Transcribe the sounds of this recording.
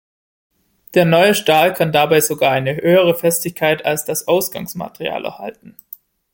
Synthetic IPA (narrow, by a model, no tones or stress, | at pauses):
d̥eːɐnɔʏəʃtaːlkʰandabaɪzoɡaːɐʔaɪnəhøːəʁ̞əfɛstɪçkʰaɪtʰalsd̥asʔaʊsɡ̥a̰ŋsma̰təʁḭa̰ːlʔɛ̰ɐha̰ltn̩